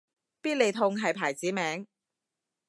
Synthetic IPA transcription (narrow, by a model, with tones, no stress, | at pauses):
piː˥t̚le˨jt̪ʰʊ˧ŋɦɐ˨jpʰaː˨˩jt͡siː˨˥mɛː˨˥ŋ